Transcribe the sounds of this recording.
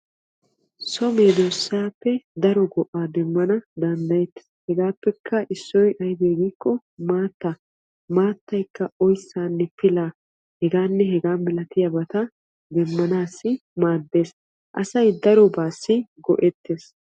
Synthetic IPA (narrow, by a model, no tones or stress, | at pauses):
sɔmeːd̪oːsːaːpːɛd̪ɐɾɔɡɔʔaːd̪ɛmːɐnɐd̪ɐnd̪ɐjɛt̪ː | hɛɡaːpːɛkʰːɐʔɪsːɔjʔɐjd̪eːɡiːkːɔ | maːt̪ːa | maːt̪ːɐjkːɐɔjsːaːnːɛfɪlaː | hɛɡaːnːɛɦɛɡaːmɪlɐt̪ɪjɐbɐt̪ɐ | d̪ɛmːɐnaːsːɪmaːd̪ːe̞ːs | ʔɐ̰sɐjd̪ɐɾɔbaːsːɪɡɔ̰ʔɛt̪ːeːs